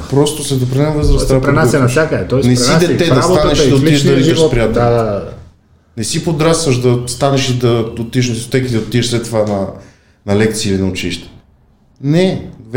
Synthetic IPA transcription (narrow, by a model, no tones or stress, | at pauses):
pɾɔst̪osɛd̪opɾinɛmvəzɾəst̪apɾɛnaɛnfsjakəd̪ɛt̪ɔjnɛsid̪ɛt̪ɛd̪aboanɛʃid̪ɐot̪iʃɐvizəʃpɾijat̪a | nɛsipod̪ɾast̪vəʃd̪ɐst̪anɛʃid̪ɐd̪ot̪iʃnt̪o̥t̪ɛkit̪ɛot̪iʃslɛt̪ːovanɐ | nɐlɛk̚t̪siːlinɐʊt͡ʃiʃt̪ɛ̥ | nɛv